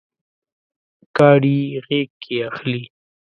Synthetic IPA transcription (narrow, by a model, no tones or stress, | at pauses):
kɑːɽiɣeːkʰːeaxli